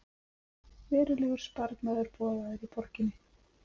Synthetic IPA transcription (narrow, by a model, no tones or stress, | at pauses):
vɛːɾʏlɛɣʏɾ̥spaɾk̪naːðʏɾpɔːðaðʏɾipɔɾ̥cɪnːɪ